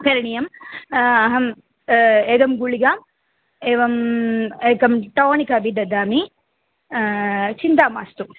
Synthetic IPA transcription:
kɐɾɐɳijɐm | ɐɦɐm | eːɡɐmɡuɭiɡaːm | eːʋɐmeːɡɐmʈoːɳikaːbiɖ̪ɐd̪aːmi | t͡ʃint̪aːma̰ːst̪u

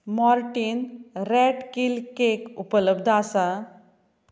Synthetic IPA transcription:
maɾʈinɾɛʈkilkekupələbd̪ʱasa

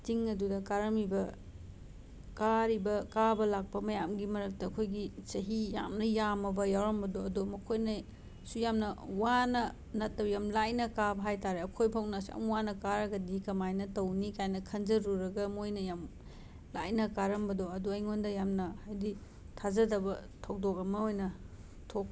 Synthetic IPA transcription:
tiŋɐdudɐkaɾɐmibɐ | kaɾibɐkabɐlak̚pɐmɐjamɡimɐɾɐk̚tɐːkʰojɡisɐɦija̰mnɐjamɐbɐjawɾɐmbɐdoɐdomɐkʰojnɐ | sujamnɐwanɐ | nɐtːɐbɐjamlajnɐkabɐɦajtaɾeɐkʰojpʰɐwnɐsa̰mwanɐkaɾɐɡɐdikɐmajnɐtɐwnikajnɐkʰɐnzɐɾuɾɐɡɐmojnɐjam | la̰jnɐkaɾɐmbɐdoɐduɐjŋondɐjamnɐhajdi | tʰazɐdɐbɐ | tʰɐwdok̚ɐmɐojnɐ | tʰok̚

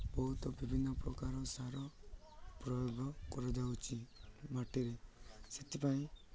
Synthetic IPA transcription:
bɔɦut̪ɔbibʱinːɔpɾɔkaɾɔsaɾɔ | pɾɔjoɡɔkɔɾɔd͡ʒawt͡ʃʰimaʈiɾeset̪ʰipaĩ

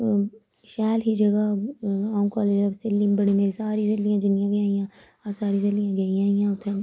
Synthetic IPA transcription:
ʃaːlɦid͡ʒɐɡaãːmkɔːleːd͡ʒɐsɪlːĩbɐɽimeːɾisaːɾizɐlːijãd͡ʒɪnijãɡiãːijãː | ɐsaːɾizɐlːijãɡɐijãːijãʊt̪ʰːe

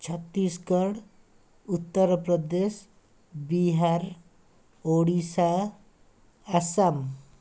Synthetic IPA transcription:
t͡ʃʰət̪ːiskəɽ | ut̪ːəɾpɾəd̪es | biɦaɾ | oɽisa | sam

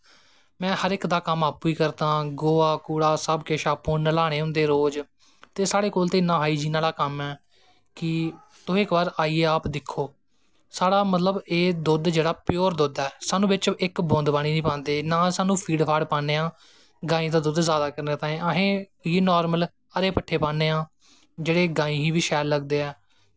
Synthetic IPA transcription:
mɛ̃ːhəɾɪkd̪aːkəmaːpːuːiːkəɾt̪ãːɡoːaːkuːɽaːsəbkeʃaːpũːnəlaːɽ̃eːʊ̃nd̪eːɾoːd͡ʒ | t̪eːsaːɽeːkoːlt̪eːɪnːãːɦaːiːd͡ʒiːnaːlaːkəmɛː | kɪ | t̪ʊ̃ːɪkbaːɾaːiːeːaːpd̪ɪkʰːoː | saːɽaːmət̪ləbeːd̪ʊd̪d͡ʒeːɽaːpjoːɾd̪oːd̪aɛːsaːnũːbɪt͡ʃɪkbõːnd̪baːniːnĩːpãːnd̪eːnaːsaːnũːpʰiːɖpʰaːɖpãːneːãː | ɡaːĩːd̪aːd̪ʊd̪zaːd̪aːkəɾneːt̪ãːẽːəɦẽː | jeːnɔːɾməl | əɾeːpəʈʰːeːpãːneːãː | d͡ʒeːɽeːɡaːĩːɦĩːʋiːʃɛːlːəɡd̪eːɛː

